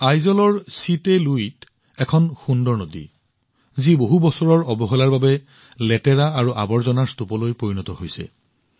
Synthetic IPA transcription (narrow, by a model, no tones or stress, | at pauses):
ajzɔlɔɹsiteluit | ɛkʰɔnxundɔɹnodḭ | ziboɦubɔsɔɹɔɹɔbɔɦɔlaɹbabɛ | lɛtɛɹaaɹuʔa̰bɔɹzɔnaɹstupɔlojpoɹinɔtɔhojsɛ̰